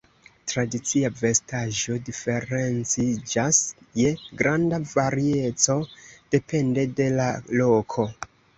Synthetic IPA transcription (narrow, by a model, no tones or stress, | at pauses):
tɾadit͡siave̞staʒo̞dife̞ɾe̞nt͡sid͡ʒas | je̞ɡɾandavaɾie̞t͡so̞d̥e̞pe̞nde̞de̞lalo̞kʰo̞